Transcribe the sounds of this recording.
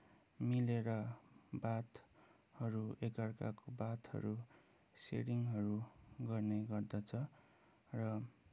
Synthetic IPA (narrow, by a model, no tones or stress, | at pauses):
mileɾʌbat̪ | hʌɾuekʌrka̰kobat̪hʌ̰ɾu | sḛɾiŋɦʌɾuɡʌrneɡʌrd̪ʌt͡sʰʌ | rʌ